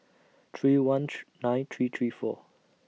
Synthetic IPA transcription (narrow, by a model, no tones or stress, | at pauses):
t̪ʰɹiːwãnnãɪ̃nt̪ʰɹiːt̪ʰɹiːfɔ̰